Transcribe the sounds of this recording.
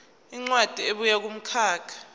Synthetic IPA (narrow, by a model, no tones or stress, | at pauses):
iŋ͡ǀwad̥ʱieɓujak̬um̩kʰaːkʰḁ